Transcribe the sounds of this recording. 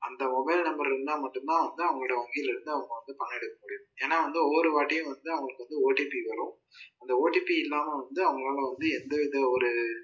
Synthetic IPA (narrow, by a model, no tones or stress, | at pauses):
ɐnd̪ɐmɔbɐɪlnɐmbɐɾɪɾɯnd̪aːmɐʈːɯmt̪ãːɐʋɐnd̪ɯɐʋɐŋɡɐɭɪɽɐʋɐŋɡɪjlɪɾɯnd̪ɯɐʋɐŋɡɐɭɐʋɐnd̪ɯpɐnːɛɽɯkːɐmʊɽɪjʊ̃eːnːaːʋɐnd̪ɯɔɾɯʋaːʈːɪjʊ̃ʋɐnd̪ɯɐʋɐŋɡɐɭɯkːɯʋɐnd̪ɯoːʈːiːpiʋɐɾʊ̃ | ɐnd̪ɐoːʈːiːpiɪlːaːmɐʋɐnd̪ɯɐʋɐŋɡɐɭaːlɐʋɐnd̪ɯɛnd̪ɐʋɪðɐɔɾɯ